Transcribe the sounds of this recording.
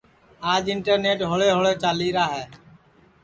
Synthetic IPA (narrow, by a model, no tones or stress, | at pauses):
aːd͡ʒɪɳʈəɾneːʈɦoɭeːɦoɭeːt͡ʃaːliːɾaːɦɛː